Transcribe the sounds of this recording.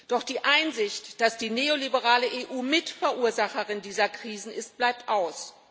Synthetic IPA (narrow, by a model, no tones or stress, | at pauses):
d̥ɔχd̥iːʔaɪnzɪçtd̥asd̥iːneːolibəʁaːləʔeːʔuːmɪtfɛɐʔuːɐzaχəʁɪndiːzɐkʁ̥iːzn̩ɪst̚b̥laɪp̚tʔaʊs